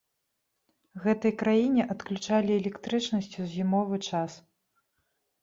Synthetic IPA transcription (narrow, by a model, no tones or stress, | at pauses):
ɣɛt̪ɐjkɾajinʲɛʔɐt̪klʲut͡ʂalʲiɛlʲɛkt̪ɾɨt͡ʂnɐsʲt͡sʲuzʲzʲimɔvɨt͡ʂas